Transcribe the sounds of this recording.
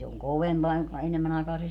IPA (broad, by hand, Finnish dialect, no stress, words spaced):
se oŋ koʋempɑː joŋkɑ enemːæn ɑekɑː se